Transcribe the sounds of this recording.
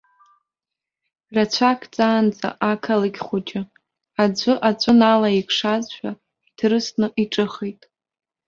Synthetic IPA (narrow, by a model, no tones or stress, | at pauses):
rat͡ɕʷʰakʰt͡sʼaːnd͡zʼa̰ʔakʰalɨɡʲχʷod͡ʒʼɪ | ad͡ʒʷʊʔat͡ɕʷʼʊnalaikʰʂazʃʷᶣa | itʰrɨsnɨʔiʈ͡ʂʼɨχitʼ